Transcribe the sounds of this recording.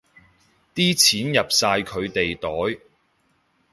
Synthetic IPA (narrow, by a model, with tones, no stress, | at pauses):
t̪iː˥t͡sʰiː˨˥njɐ˨p̚saː˧jkʰɵ˨˧ɥt̪e˨jt̪ɔː˨˥j